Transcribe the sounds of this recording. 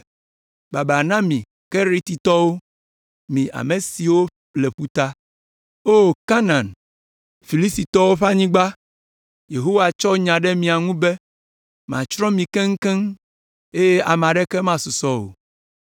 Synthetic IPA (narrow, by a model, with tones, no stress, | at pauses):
ba˨ba˨nã˦mĩ˨ | kɛ˦ɾi˦t̪i˨t̪ɔ˦wo˦ | mĩ˨ʔa̰˨me˨si˨wo˦ | le˨ɸu˦t̪a˦ | o˦˨ka˦nã˨n | fi˨li˦st̪i˨t̪ɔ˦wo˦ɸa˦ɲĩ˦ɡ͡ba˦ | je˨ɦo˦wa˨t͡ʃɔ˦ɲã˨ɖɛ˦mĩ˨a˨ŋũ˦bɛ˦ | mã̰˨t͡ʃɾɔ̃˦mĩ˨kɛ˦ŋ̩˦kɛ˦ŋ | e˦je˦ʔa˨m˨ã˨ɖɛ˦kɛ˦mã˦su˨sɔ˦o̰˨